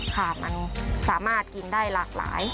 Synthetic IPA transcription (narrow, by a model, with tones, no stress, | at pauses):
kʰa˥˩ma̰˧nsaː˩˦maː˥˩t̪̚ki˧ndaː˥˩jlaː˨˩k̚la̰ː˩˦j